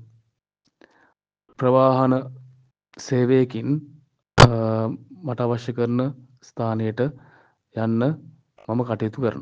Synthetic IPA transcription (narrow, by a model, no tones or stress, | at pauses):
prɐʋaːɦɐnə | seːʋejekin | maʈaːʋaʃjɐkəɾnə | st̪ʰaːnejəʈə | janːə | maməkaʈeːt̪ukəɾə̰n